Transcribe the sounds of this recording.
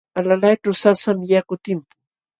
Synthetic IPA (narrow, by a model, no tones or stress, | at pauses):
alalajʈ͡ʂʊsasamjakʊt̪ɪm